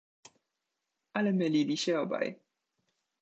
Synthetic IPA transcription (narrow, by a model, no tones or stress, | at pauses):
alɛmɛliliɕɛɔba̰j